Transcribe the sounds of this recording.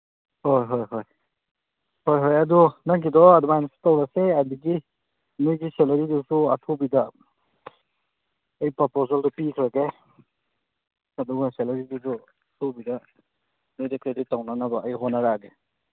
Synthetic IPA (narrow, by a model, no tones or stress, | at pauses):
hojɦojɦoj | hojɦojɐdunaŋkidɔadumajnsi̥tawɾaseadiɡi | mujɡiselaɾidusuɐtʰubidɐ | ejpɔpozaldɔpikʰɾaɡe | ɐduɡaselɐɾidusu | tʰubida | mujdakɾeditːawnanabaajɦɔnaɾaɡe